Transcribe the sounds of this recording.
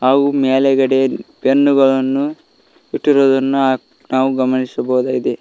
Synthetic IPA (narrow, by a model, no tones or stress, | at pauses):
ɦaːɡumeːlɛɡɐɽepenːuɡɐɭɐnːu | iʈːiɾoːd̪ɐnːua | naːʋuɡɐmɐnisɐbɐɦud̪aːɡid̪e